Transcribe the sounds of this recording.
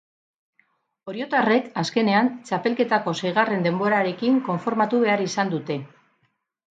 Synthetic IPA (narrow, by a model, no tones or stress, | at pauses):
o̞ɾjo̞t̪are̞kaske̞ne̞ant͡ʃape̞lke̞t̪ako̞sejɣ̞are̞nd̪e̞mbo̞ɾaɾe̞kiŋko̞ɱfo̞ɾmat̪uβe̞aɾisand̪ut̪e̞